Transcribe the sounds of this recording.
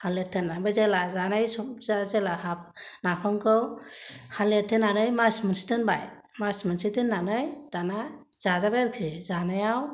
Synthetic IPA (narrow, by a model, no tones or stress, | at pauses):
haletʰenabazelazanajsɔzazelahapnapʰɔŋkʰɯwhaletʰːenanɯjmasmɯnsi̥tɯnbaj | masmɯnsitɯnːanɯjd̥anaz̥azabajɾkʰizanajaw